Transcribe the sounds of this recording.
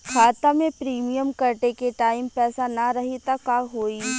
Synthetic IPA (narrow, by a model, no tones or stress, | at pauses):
kʰaːt̪amẽpɾiːmijəmkɐɾʈekeʈaːɪmpɛːsanɐɾɐɦit̪akːaːkɦoːi